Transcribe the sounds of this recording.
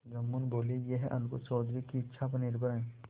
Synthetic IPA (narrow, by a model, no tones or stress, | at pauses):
ɡɐmːunboːlejeɦɛʔɐnkosɔːd̪ɾikiɪtːʃʰapɐnɪɾbʱəɾɦɛ̃ː